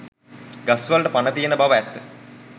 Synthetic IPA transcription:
ɡɐsʋalʈəpanət̪ijenəbaʋəæt̪ːə̥

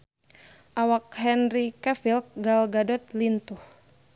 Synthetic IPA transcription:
ʔawak̚hɛnrikafilk̚ɡalɡadɔt̪̚lint̪uh

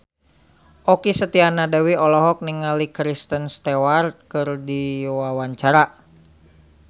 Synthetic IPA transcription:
ʔɔkisət̪ianadawiɔlɔɦɔk̚niŋalikɾist̪ənst̪ewart̪̚kɨrdiwawaɲt͡ʃaɾa

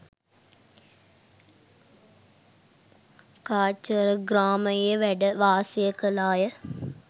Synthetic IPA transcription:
kaːt͡ʃəɾɡɾaːməeʋɛɖʋaːseːkəlaːjə

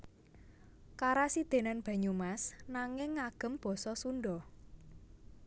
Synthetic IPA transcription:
kaɾasid̪̥e̤nanb̥ä̤ɲumasnaŋɪŋːaɡ̥ə̤mb̥ɔ̤sɔsunɖɔ

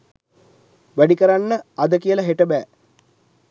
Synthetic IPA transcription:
ʋæɖikəɾanːəad̪əkijəlaɦeʈəbæː

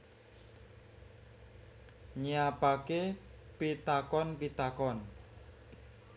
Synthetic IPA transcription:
ɲiapakepit̪akɔnpit̪akɔn

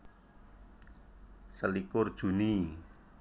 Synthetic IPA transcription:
səlikʊrd̥ʒ̥ṳni

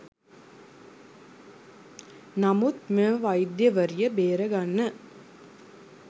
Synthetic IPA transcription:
nɐmut̪meʋɐjd̪jɐʋɐɾjɐbeːɾɐɡɐnːɐ

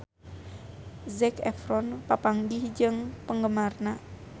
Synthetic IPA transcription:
zɛkɛ̰fɾɔnpapaŋɡihd͡ʒɨŋpəŋɡəmarna

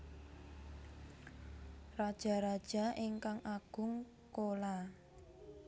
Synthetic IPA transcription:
rad̥ʒ̥a̤ɾad̥ʒ̥a̤ʔɪŋkaŋʔaɡ̥ʊ̤ŋ | kola

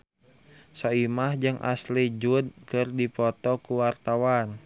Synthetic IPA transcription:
sɔimahd͡ʒɨŋʔa̰slid͡ʒudkɨrdipɔt̪ɔkuwart̪awan

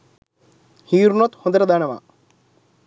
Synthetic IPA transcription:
hiːɾnot̪hond̪ɾɐd̪aːɳɐma̰

